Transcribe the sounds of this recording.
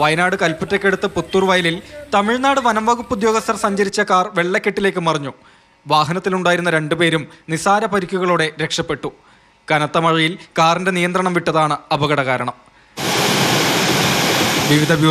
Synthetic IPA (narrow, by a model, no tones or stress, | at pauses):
ʋɐjɐnaːɽɨkɐlpɐtːɐkːe̞ɽut̪ːɨput̪ːuːrʋɐjɐlilt̪ɐmiɻnaːɽɨʋɐnɐmʋɐɣupːud̪jo̞ːɡɐst̪ːɐrsɐɲd͡ʑɐɾit͡ɕːɐkaːrʋe̞ɭːɐkʲːeʈːile̞ːk̬ːɨmɐrɐɲːu | ʋaːɦɐnɐt̪ːiluɳɖaːjiɾunːɐɾe̞ɳɖupe̞ːɾumnisaːɾɐpɐɾikʲːuɣɐɭuɽe̞ɾe̞kʂɐpːe̞ʈːu | kɐnɐt̪ːɐmɐɻɐjilkaːrinde̞nijɐnd̪rɐɳɐmʋiʈːɐðaːɳɨɐbɐɣɐɽɐɣaːɾɐɳɐm | ʋiʋid̪ʱɐbʱj